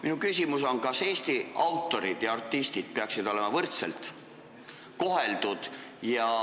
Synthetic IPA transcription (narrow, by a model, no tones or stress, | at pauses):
minukysʲimuso̞nkɑse̞ːst̪iɑwt̪ːˑo̞ɾid̪̥jɑɑrt̪ːˑist̪id̪̥̚peɑksid̪o̞le̞mɑvɤrt̪selt̪ | ko̞ɦe̞ld̪ud̪̥jɑ